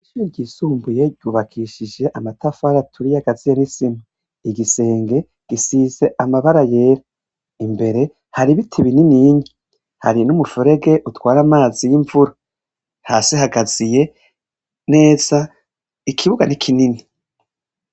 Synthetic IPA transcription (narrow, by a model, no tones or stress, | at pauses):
iʃuɾiɾɟiːsuːmbuje̞ɟuːβakʰiːʃid͡ʒe̞ʔamatafaɾatʰuɾijaɡazijanisima | iɡise̞ːŋɡe̞ | ɡ̥isize̞ʔamaβaɾaje̞ːɾa | imbe̞ɾe̞ | haɾiβitʰiβininiɲi | ha̰ɾinumufuɾe̞ɡe̞ʔutwaːɾamaːzijiɱvuɾa | ha̰ːsihaɡaz̥ije̞ | ne̞ːz̥a | ikʰiβuɡanikʰinini